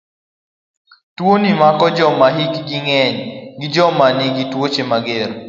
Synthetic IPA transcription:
twonimakɔd͡ʒɔmaɦikɡiŋɛɲɡid͡ʒɔmanɪɡitwot͡ʃemaɡeɾ

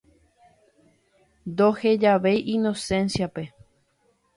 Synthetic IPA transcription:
nd̪ohe̞d͡ʒaʋejʔinõsẽ̞nsijape̞

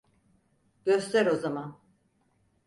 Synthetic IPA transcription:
ɟ̥øst̪ʰæɾo̞zaman

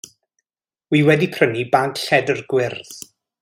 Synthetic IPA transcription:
wiwɛdipʰrənibaŋkɬɛdərɡwɪrθ

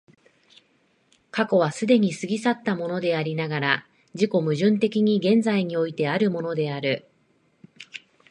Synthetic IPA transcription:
kako̞β̞asɨd̪e̞ɲ̟isɨɡʲisat̪ːamo̞no̞d̪e̞aɾʲinaɡaɾa | d͡ʑiko̞mɯ̟ʑɨ̃nt̪e̞kʲiɲ̟iɡẽ̞nd͡zaiɲ̟io̞it̪e̞aɾɯ̟mo̞no̞d̪e̞aɾɯ̟

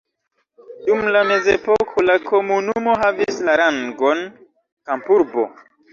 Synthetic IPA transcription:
dumlame̞ze̞po̞kʰolakʰo̞munumo̞ɦavislaɾaŋɡo̞n | kampuɾbo̞̰

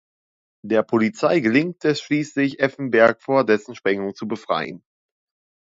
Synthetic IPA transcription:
d̥eːɐpʰolit͡saɪɡəlɪŋtʰɛsʃliːslɪçʔɛfn̩bɛɐkfoːɐdɛsn̩ʃpʁ̥ɛŋʊŋt͡subəfʁ̥a̰ɪən

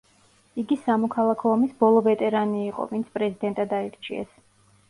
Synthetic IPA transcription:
iɡisamɔkʰalˠakʰɔːmisbɔlˠɔvɛt̪ʼɛɾaniːqʼɔ̰vint̪sʰpʼɾɛzid̪ɛnt̪ʼad̪aiɾt͡ʃʰiɛ̰s

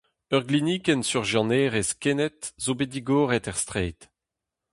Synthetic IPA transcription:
œʁɡliniːkɛnsyʁʒjɑ̃neːʁeskɛnɛt̪zobed̪iɡɔːʁɛt̪ɛʁst̪χeːt̪

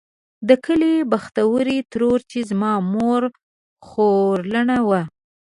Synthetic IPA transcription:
d̪əkəlibaxt̪awəɾit̪əɾoɾt͡ʃezmɑmoɾ | xoɾləɳawa

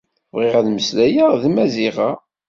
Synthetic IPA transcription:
vʁɪʁæðməslæjaðmæziʁɑ

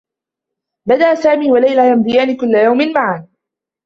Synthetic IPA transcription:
bad̪aʔasaːmiːwalajlajamd̪ɪjaːnɪkʊlːajawmɪnmaʕan

